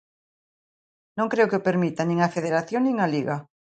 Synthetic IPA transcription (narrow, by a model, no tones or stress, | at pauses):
nõŋkɾeokɪopeɾmit̪anĩŋafeðeɾaθjoŋnĩŋaliɣa